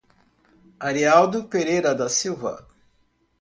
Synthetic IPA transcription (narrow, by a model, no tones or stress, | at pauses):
aɾiawd̪ʊpeɾejɾɐd̪ɐsiwvɐ̰